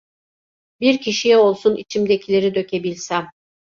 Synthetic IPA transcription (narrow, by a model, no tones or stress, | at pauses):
biɾcʰiʃijɛo̞lˠsunʔḭt͡ʃʰimd̪ecʰilʲeɾid̪ø̞cʰebilʲsæm